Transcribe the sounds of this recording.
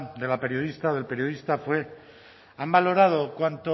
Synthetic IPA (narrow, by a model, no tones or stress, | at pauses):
d̪e̞lape̞ɾjo̞ð̞ist̪aoð̞e̞lpe̞ɾjo̞ð̞ist̪afwe̞ | ambalo̞ɾað̞o̞kwant̪o